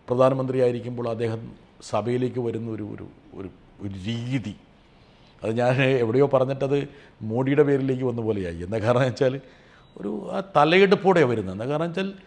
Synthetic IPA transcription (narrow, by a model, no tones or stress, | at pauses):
prɐd̪ʱaːnɐmɐnd̪rijaːjiɾikʲːumbo̞ːɭɐd̪ːe̞ːhɐm | sɐbɐjile̞ːk̬ʲːɨʋɐɾunːɐoɾṵo̰ɾṵo̰ɾu | oɾuɾiːði | ɐðɨɲaːne̞ʋiɽɐjo̞ːpɐrɐɲːiʈːɐðɨ | moːɽijuɽe̞pe̞ːɾile̞ːk̬ʲːɨʋɐnːupo̞ːle̞ja̰ːjie̞nːɐkːaːɾɐɳɐt͡ɕːaːl | o̞̰ɾṵaːt̪ɐlɐjiɽupːoːɽeʋɐɾunːuenːɐkːaːɾɐnɐɐt͡ɕːaːl